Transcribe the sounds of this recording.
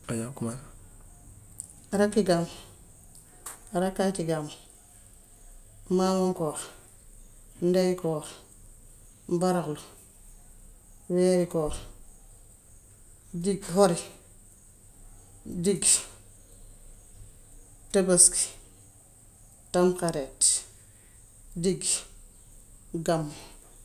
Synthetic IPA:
ajakumal | aɾakːiɡam | aɾakːakiɡam | maːmaŋkoːɾ | ndajkoːɾ | mbaɾaklu | weːɾikoːɾ | diɡhoɾi | diɡ | tabaski̥ | tamkaɾet | diɡ | ɡamː

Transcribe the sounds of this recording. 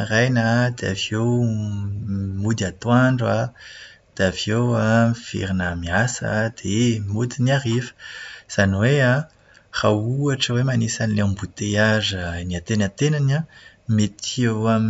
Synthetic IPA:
rajnad̪ea̰view | mud̪iat̪waɳɖ͡ʐa | d̪̥eavjowafḭɾinamiasa̰d̪̥emud̪iniarivə̥z̥aniwea | rauaʈ͡ʂəwemanisanileãmbut̪eazəniat̪enat̪enanamet̪iewam

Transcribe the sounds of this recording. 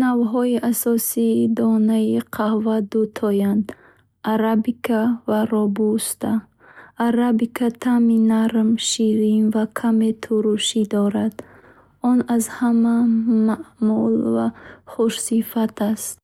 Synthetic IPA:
navɦɔiʔasɔsid̪ɔnaiqʰahvad̪ut̪ʰɔjand̪ | aɾabikʰavaɾɔbust̪ʰa | aɾabikʰat̪ʰaminaɾmʃiɾinvakʰamet̪ʰuɾuʃid̪ɔɾad̪ | ɔnazhamamaʔmulvaχuʃsifat̪ʰast̪

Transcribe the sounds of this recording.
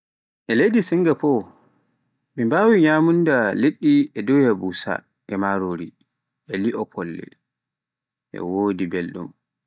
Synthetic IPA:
ʔɛlejdisiŋɡapɔ | mimbawiɲaːmundaleɗːiɛdɔjabusa̰ | ɛmaɾoːɾi | ʔɛliʔɔpʰɔlːɛ̰ | ʔɛ̰woːdibɛlɗṵm

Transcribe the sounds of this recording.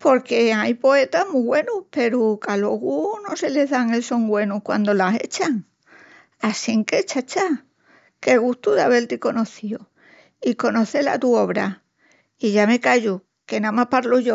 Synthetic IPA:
po̞ɾke̞ajpo̞e̞t̪aɦmuɣwe̞nupe̞ɾukaloɣuno̞se̞le̞ɦðaŋe̞lso̞ŋɡwe̞nukwa̰nd̪o̞lase̞̰t͡ʃaŋ | asiŋke̞t͡ʃat͡ʃa | ke̞ɣ̞ust̪uðaβe̞lt̪iko̞no̞θio | iko̞no̞θe̞la̰t̪uo̞β̞ɾa̰ | iʝame̞kaʝu | ke̞nãmapaɾloʝo

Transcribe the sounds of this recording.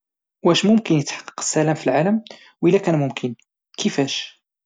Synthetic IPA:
wæʃmʊmkənjət̪ħɑ̥qːɑ̥qə̥sːælæmfilʕaləm | wʔəlːækænmʊmkʰən | kʰəfæʃ

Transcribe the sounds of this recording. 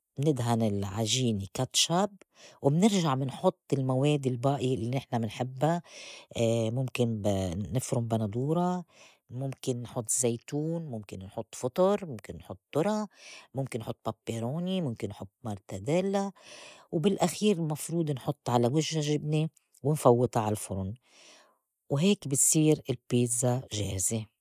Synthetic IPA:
mnɪd̪ɦanɪlʕaʒiːnikat̪ˤʃabwɪmnɪɾʒaʕmɪnħʊt̪ˤːɪlmaweːd̪ɪlbaːʔjlːinɪħnamɪnħɪbːa | mʊmkɪnnɪfɾʊmbanad̪ˤuːɾˤɑ | mʊmkɪnːħʊt̪ˤːzːejt̪uːnmʊmkɪnːħʊt̪ˤːfʊt̪ˤʊɾmʊmkɪnːħʊt̪ːʊɾˤɑmʊmkɪnːħʊt̪ˤːpapːeɾoːnimʊmkɪnːħʊt̪ːmɑɾˤt̪ad̪eːlːawbɪlʔaxiːɾɪlmɑfɾuːd̪ˤnħʊt̪ˤːʕalawɪʒːaʒɪbni | wɪnfɑwːɨt̪ˤɑʕalfʊɾʊn | wɦeːkbɪsˤiːɾɪlpiːzaʒeːhze

